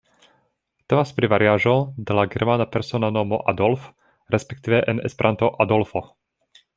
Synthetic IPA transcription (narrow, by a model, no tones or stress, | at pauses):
t̪ɔmaspɾiʋaɾɪaːʒɔd̪alaɡɛɾmanapɛɾsɔnanɔmɔ̰ʔad̪ɔlf | ɾɛspɛkt̪iːʋɛʔɛnɛspɾʔant̪ɔʔad̪ɔlfɔ